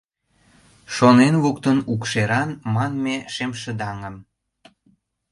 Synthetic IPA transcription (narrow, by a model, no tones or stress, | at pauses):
ʃonenβukt̪ənukʃeɾɑnmɑnmeʃemʃə̆d̪ɑŋəm